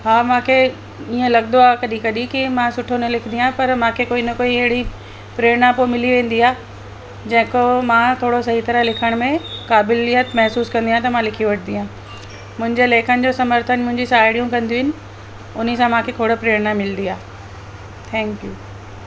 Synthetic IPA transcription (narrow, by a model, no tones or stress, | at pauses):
ɦaːmãːkʰe | iːə̃lɐɡnd̪oaːkɐɗikɐɗikimãsʊʈʰonɐlɪkʰɪnd̪ijãɦpɐɾmãːkʰekoːinɐkoːiɐɦɪɽi | pɾeːɾnapomɪliʋẽːn̆d̪iaː | d͡ʑɐ̃ɦɪ̃komãːt̪ʰoːɽosɐɦit̪ɐɾəɦlɪkʰəɽ̃mẽkaːbɪlɪjət̪mɛɦsuːskɐ̃nd̪ijãt̪ɐmãlɪkʰijoʋɐʈʰɪnd̪ijãː | mʊ̃ɦɪ̃ɲd͡ʑeleːkʰənɪ̆d͡ʑoːsɐməɾt̪ʰənmʊ̃ɦɪ̃ɲd͡ʑisaːɦɪɽijũkɐ̃nd̪ijɪnɪ̆ | ʊnəsãmãːkʰekʰoːɽəpɾeːɽnamɪlnd̪iaː | t̪ʰɛ̃ːŋkjuː